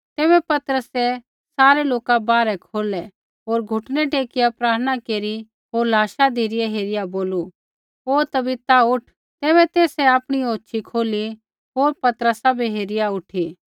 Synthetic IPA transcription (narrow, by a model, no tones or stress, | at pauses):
t̪ɛːβɛpɐt̪ɾəsɛ | saːɾeloːkabaːɾɛkʰoːlɛ | ɦoːɾɡʱʊʈʰnɛʈeːkɪjapɾaːɾəñakeːɾi | ɦoːɾlaːʃad̪ʱiɾɪjɛɦeːɾɪjaboːlu | ɦoːt̪ɐbɪt̪aʊʈʰ | t̪ɛːβɛt̪eːsɛaːpɽ̃ioːtːʃʰikʰoːli | ɦoːɾpɐt̪ɾəsabʱiɦeːɾɪjaʊʈʰi